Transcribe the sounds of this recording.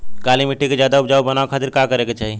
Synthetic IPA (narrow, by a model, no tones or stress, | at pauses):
kalimiʈːiked͡ʒjad̪aupd͡ʒaubənaʋekʰat̪iɾkakəɾeket͡ʃaɦi